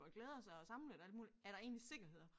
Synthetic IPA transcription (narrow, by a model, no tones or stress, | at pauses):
ɒɡ̥leːð̞ˠɐsɑ̈ɪɒ̽sɑ̈m̩led̥æld̥muːliæɐɾ̥ɑ̈e̝ːnlise̝ɡ̥ɐɦe̝ð̰ˠɐ